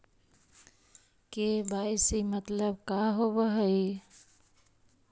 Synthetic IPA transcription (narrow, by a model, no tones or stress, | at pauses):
kebaɪsimət̪ləbkaɦobəɦəi